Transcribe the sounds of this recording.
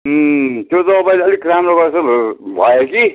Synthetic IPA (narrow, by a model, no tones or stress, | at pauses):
t̪jot̪ʌmʌpajleʌlikːɾamɾoɡʌɾsʌbʱʌeki